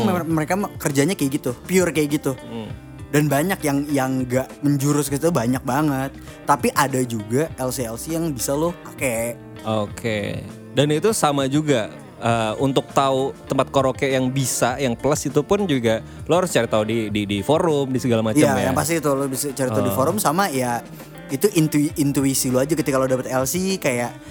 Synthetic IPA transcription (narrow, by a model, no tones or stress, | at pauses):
aŋmməɾekakərd͡ʒaɲakjɡit̪upiʊrkajɡit̪u | danbaɲakjaŋjaŋɡaʔməɲd͡ʒuɾʊskəit̪ubaɲak̚baŋət̪̚ːapiʔadad͡ʒuɡaɛlseɛlsijaŋbisalʊkakeʔ | okʰḛ | danit̪usamad͡ʒuɡa | əunt̪ʊk̚t̪aut̪əmpat̪̚koɾokɛjaŋbisajaŋpələsit̪upʊnd͡ʒuɡa | loaɾʊst͡ʃaɾit̪audididifoɾʊmdisəɡalamajaajapas̬t̪it̪ulobisat͡ʃaɾit̪audifoɾʊmsamaja | it̪uʔint̪uiint̪uisilɔad͡ʒakət̪ikalodapət̪ɛlsikajaʔ